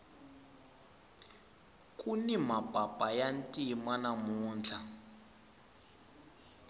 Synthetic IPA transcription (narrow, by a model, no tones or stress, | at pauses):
kʼunimab̥ʱab̥ʼajantʼimanamuːnd͡ɮʰa